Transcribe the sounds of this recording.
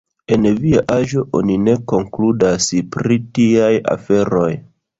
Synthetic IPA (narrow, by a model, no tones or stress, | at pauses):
e̞nviaʔaʒo̞ʔo̞nine̞ko̞ŋkludaspɾitiaja̰fe̞ɾo̞j